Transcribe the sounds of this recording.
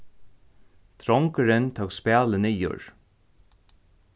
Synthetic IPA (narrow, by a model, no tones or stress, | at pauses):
t̪ʰɾɔŋkəɾɪnt̪ʰoːkspæːlɪnijʊ̰ɹ